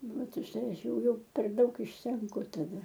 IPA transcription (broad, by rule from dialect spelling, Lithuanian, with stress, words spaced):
ˈʋɐt ʊʃ ˈtɐɪ ˈɐʃ ˈjɛʊ ˈjɛʊ pʲɛr ˈdɐʊk ɪʃʲsʲɛŋˈkʊ tɐˈdɐ